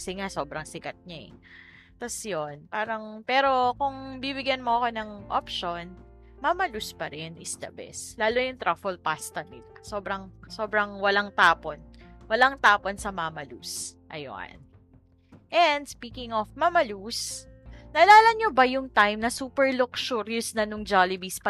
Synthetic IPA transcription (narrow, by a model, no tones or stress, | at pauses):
kɐsɛŋaso̞ːbɾɐŋsɪkɐt̪̚ɲaɛ̰ | t̪ɐsjonpaːɾɐŋpɛːɾo̞kʊŋbibɪɡjɐnmoʔɐko̞nɐŋʔo̰p̚ʃon | mamɐluspɐɾɛnʔɪsd̪ɐ̰bɛ̰slaːlojʊŋt̪ɾafɛlpast̪ɐmɪt̪̚soːbɾɐŋso̞ːbɾɐŋwɐlaŋt̪aːponwɐlaŋt̪aːponsɐmamɐlusʔɐ̰jo̰ʔɐ̰n | ʔɛnd̪spiːkɪŋofmɐmɐlus | nɐlaːlɐɲobɐjʊŋt̪ajmnɐsuːpɛɹlʊkʃuɾʊsnɐnʊŋd͡ʒalɪbispɐ